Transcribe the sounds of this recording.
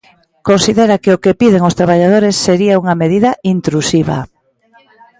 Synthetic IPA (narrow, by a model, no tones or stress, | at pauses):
konsiðeɾakeokepiðeŋʊst̪ɾaβ̞aʎað̞oɾesːeɾiauŋɐmeðiðɐʔint̪ɾusiβɐ̰